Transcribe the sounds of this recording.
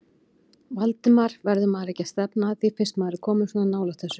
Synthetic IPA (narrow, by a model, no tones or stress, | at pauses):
valt̪ɪmaɾ̥vɛɾðʏmaːɾɛhcast̪ɛpnaːθifɪr̥st̪maːɾɪ̥kʰɔːmɪnsɔnanaːwlat̪θɛsːʏ